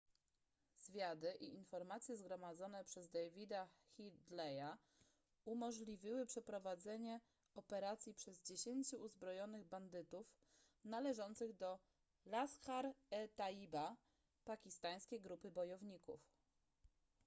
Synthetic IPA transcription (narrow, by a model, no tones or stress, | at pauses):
z̥vʲjad̪ɘʔiʔinfɔɾmat̪sʲjɛzɡɾɔmad̪zɔnɛpʂɛzd̪ajvʲid̪axʲid̪lɛja | umɔʐlʲivʲiwɘpʂɛpɾɔvad̪zɛɲɛ | ɔpɛɾat̪sʲjipʂɛzd͡ʑeɕeɲt͡ɕuːzbɾɔjɔnɘɣband̪ɘt̪uf | nalɛʐɔnt̪sɘɣd̪ɔ | laskaɾɛt̪aiba | pakʲist̪aj̃skʲejɡɾupɘbɔjɔvɲikṵf